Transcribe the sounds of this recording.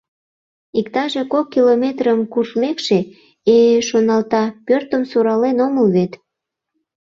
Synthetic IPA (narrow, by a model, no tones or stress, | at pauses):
ikt̪ɑʒe̽kokːilomʲet̪rəmkuʃmekʃe | eʃonɑlt̪ɑpørt̪əmsuɾɑlenoməlβet̪